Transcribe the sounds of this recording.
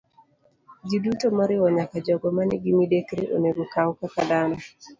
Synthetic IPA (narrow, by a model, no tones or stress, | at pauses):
d͡ʒidutomɔɾɪwɔɲakad͡ʒɔɡɔmanɪɡɪmidekɾeʔoneɡokawkakad̪anɔ